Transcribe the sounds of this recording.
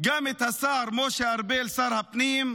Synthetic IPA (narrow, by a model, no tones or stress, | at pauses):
ɡɐmit̪ʰɐsaːɾmoːʃeɐɾbeːlsɐɾɦɐpniːm